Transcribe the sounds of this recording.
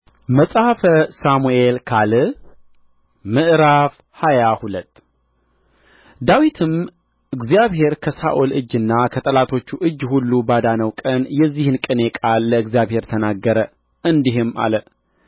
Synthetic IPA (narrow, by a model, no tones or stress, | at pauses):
məsʼhafəsamuelkʰalɨ | mɨʔɾaf | hajahulət̪ː | d̪awit̪ʰɨm | ʔɨɡzijaβhe̞ɾkʰəsa̰ʔolɨd͡ʒːɨnːakʰət̪ʼəlat̪ʰo̞t͡ʃːuʔɨd͡ʒːhulːubad̪anəwkʼənjɛzːihɨnkʼɨne̞kʼalːəɨɡzjaβhe̞ɾt̪ʰənaɡːəɾə | ɨnd̪iɦɨmʔa̰lə